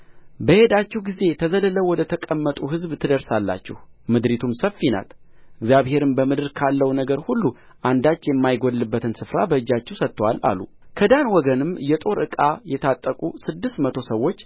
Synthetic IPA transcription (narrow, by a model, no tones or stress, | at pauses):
bəhe̞d̪at͡ʃːɛhɡize̞t̪ʰəzələləwɔd̪ət̪ʰəkʼəmːət̪ʼuɦɨzbt̪ʰɨd̪əɾsalːa̰t͡ʃːɪ̰hmɨd̪ɾit̪ʰumsəfːina̰t̪ | ʔɪɡzjaβhe̞ɾɨmbəmɨd̪ɨɾkʰalːəwnəɡəɾhulːu | ʔand̪at͡ʃːjɛmːajɡod̪lːɨbːət̪ʰɨnsɨfɾabəɨd͡ʒːat͡ʃːɛwsət̪ːəwalʔa̰lṵ | kʰəd̪anwɔɡənɨmjɛt̪ʼo̞ɾʔɨkʼajɛt̪ʰat̪ʼːəkʼusɨd̪ːɨst̪mət̪ʰo̞səwːo̞t͡ʃː